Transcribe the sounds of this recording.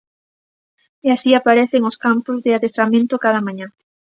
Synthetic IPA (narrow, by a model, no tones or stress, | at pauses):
easiapaɾeθeŋʊskampozðɪaðest̪ɾamẽnt̪okaðamãɲã